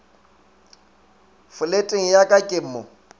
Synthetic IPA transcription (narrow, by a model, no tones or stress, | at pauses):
fʊletʼeŋ̩jakʼakʼɪm̩ːmɔ